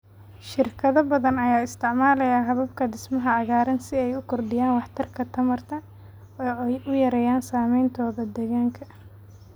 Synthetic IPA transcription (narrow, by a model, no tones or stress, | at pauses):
ʃɪrkʰɐðɐbɐðɐnɐjaːɪst̪ʰɪʕmaːlɐjaːɦɐβɐb̚kʰɐd̪ɪsmɐɦɐɐɣaːɾɐnsɪɛjʊkʰɔrd̪ɪjaːnwɑħt̪ʰɐrkʰɐt̪ʰɐmɐrt̪ʰɐ | ɔːɛjʔʊjɐɾɛjaːnsaːmɛjnt̪ʰɔːðɐd̪ɛɣaːŋkʰɐ